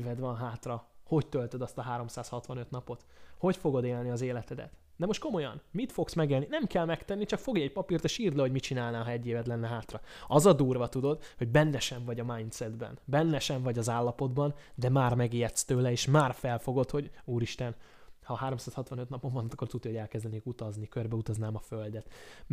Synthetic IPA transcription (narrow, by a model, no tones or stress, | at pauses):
vɛd̪ʋɒnɦaːt̪rɒho̞ct̪ølt̪ød̪ɒst̪ɒɦaːɾo̞msaːshɒt̪ʋɒnøt̪nɒpo̞t̪ho̞cfo̞ɡo̞d̪eːlniɒzeːlɛt̪ɛd̪ɛ̰t̪ | d̪ɛmo̞ʃt̪̚ko̞mo̞jɒ̰nmit̪fo̞ksmɛɡeːlninɛmkɛlmɛkt̪ɛnːit͡ʃɒkfo̞ɡjɛɟpɒpirt̪eʃiːrd̪lɛhoɟmit͡ʃinaːlnaːlɦɒɛɟːeːvɛd̪lɛnːɛɦaːt̪rɒɒzɒd̪uːrvɒt̪ud̪o̞d̪ho̞ɟbɛnːɛʃɛɱvɒɟɒmaːjnt̪sɛd̪bɛ̰nbɛnːɛʃɛɱvɒɟɒzaːlːɒpo̞d̪bɒnd̪ɛmaːrmɛɡijɛt̪st̪øːlɛeːʃmaːrfɛlfo̞ɡo̞t̪ho̞ɟuːɾiʃt̪ɛn | hɒɦaːɾomsaːshɒt̪vʋɒnøt̪nɒpoɱvɒnːt̪ɒkːo̞rt̪ud̪ioɟɛlkɛzd̪ɛneːkut̪ɒznikørbɛut̪ɒznaːmɒføld̪ɛt̪